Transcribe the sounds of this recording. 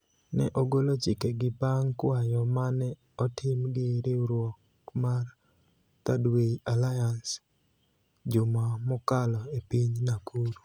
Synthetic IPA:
nɛʔoɡolot͡ʃikeɡɪbaŋkwajɔmanɛ | ɔtʰɪmɡeɾeɾwɔk | mar | t̪adweialajans | d͡ʒʊmamɔkalɔepiɲnakʰuɾ

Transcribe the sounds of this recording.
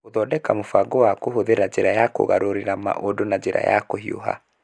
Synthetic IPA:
oðɔdɛkamofaɡɔwakohoðeɾad͡ʒeɾajako̰ɣa̰ɾoɾeɾama̰ʔodonad͡ʒeɾa̰ja̰kohio̰ɦa̰

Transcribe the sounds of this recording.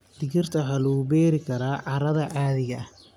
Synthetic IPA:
d̪̥ɪɣɪrt̪ʰɐħalɐɣʊbɛːɾɪkʰɐɾaːʕɑɾɐðɐʕaːðɪɣɐ

